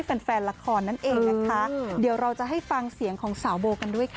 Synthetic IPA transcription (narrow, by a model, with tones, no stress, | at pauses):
pe˧nfɛː˧nla˧kʰɔː˧nːa˥˩nʔeː˧ŋna˦˧˥kʰa˦˥di˨˩˦əwɾa˧wt͡ɕa˨˩ɦa˥˩jfa˧ŋsi˨˩˦əŋkʰɔː˩˦ŋsaː˩˦wboː˧ka˧ndu˥˩əjkʰ